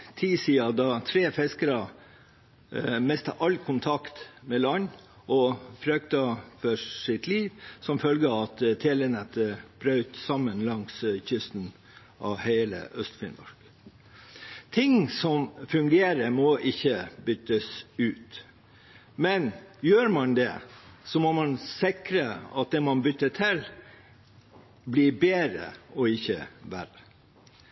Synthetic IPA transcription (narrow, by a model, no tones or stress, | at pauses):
t̪ʰiːsiːɑd̪ɑt̪ʰɾeːfɛskəɾɑ | mɛst̪ɑ̰ʔɑlkʰʊnt̪ʰɑkt̪mɛlɑɲ | ʔɔfɾœkt̪ɑfɔɪt̪liːʋsɔmfœlɡəɑt̪t̪ʰeːlənɛt̪əb̥ɾœʉt̪sɑmːənlɑŋsçʏst̪n̩ | ʔɑ̰ʋheɪlə̰ʔœst̪fɪ̰nɔ̰ɾk | t̪ʰɪŋsɔmfʉŋɡeːɾəɾmɔʔɪçːəbʏt̪ːəsʉːt̪ | mɛnjøːɾmɑnd̪ɛ̰sɔmɔmɑnsɪkɾəɑ̰t̪̚d̪ɛmɑnbʏt̪ːətʰɪl | blibeːɾə̰ɔɪçːə̰ʋæɾə